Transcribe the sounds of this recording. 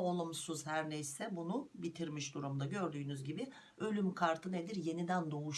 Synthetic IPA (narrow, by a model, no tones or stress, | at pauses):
olˠumsuzhæɾnejsɛbunubit̪ʰiɾmiʃd̪uɾumd̪aɟø̞ɾd̪yːnyzɟibɪ | ø̞lʲymkʰaɾt̪ʰɯned̪iɾje̞nid̪ænd̪o̞uʃ